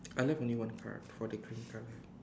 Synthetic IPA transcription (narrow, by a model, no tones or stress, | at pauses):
ajlɛvõnliwãnkʰa̰d̥fɔdəkɹĩnkʰala